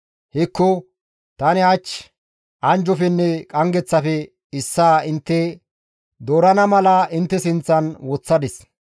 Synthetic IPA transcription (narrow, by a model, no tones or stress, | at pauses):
hɛkːɔ | t̪ɐnɪɐt͡ʃː | ʔɐnd͡ʒɔfɛnːɛkʼɐŋɡɛt͡sːɐfɛ | ɪsːaːɪnt̪ːɛ | d̪oːɾɐnɐmɐlɐʔɪnt̪ːɛsɪnt͡sːɐnwɔt͡sːɐd̪ɪs